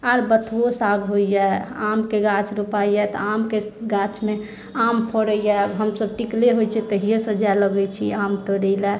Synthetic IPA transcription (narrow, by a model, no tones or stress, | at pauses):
aɾbət̪ʰosaɡɦoid͡ʒaamkeɡat͡ʃɾupajat̪ɔ̰amkeɡat͡ʃmẽ | ampʰoɾəijabɦəmsəb̚ʈikleɦojt͡ʃʰit̪əɦijesəd͡ʒaləɡɛt͡ʃʰiamt̪əɾəɪla